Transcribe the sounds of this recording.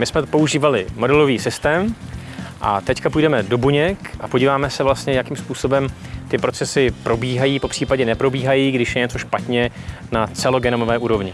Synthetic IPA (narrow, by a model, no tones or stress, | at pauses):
mɪsmɛt̪po̞uʒiːvalɪmo̞dɛlo̞viːsɪst̪ɛːm | ʔa̰t̪ɛckapujdɛmɛdo̞buɲɛkʔapoɟiːvaːmɛsɛvlast̪ɲɛjakiːmspuːso̞bɛm | t̪ɪpɾo̞t͡sɛsɪpɾo̞biːɦajiːpo̞pr̝̥iːpaɟɛnɛpɾo̞biːɦajiːɡdɪʃjɛɲɛt͡so̞ʃpat̪ɲɛ | nat͡sɛlo̞ɡɛnomovɛːʔuːɾo̞vɲɪ